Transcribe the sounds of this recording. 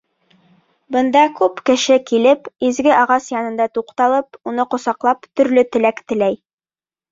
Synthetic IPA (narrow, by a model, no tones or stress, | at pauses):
bɤ̆nd̪ɑkʉpkɘ̆ʃɘkilɘpizɡɘʔɑʁɑsjɑnɤ̆nd̪ɑt̪uqt̪ɑlˠɤpunɤqŏsɑqlˠɑpt̪ɵ̆ɾlɵt̪ɘ̆lækt̪ɘ̆læj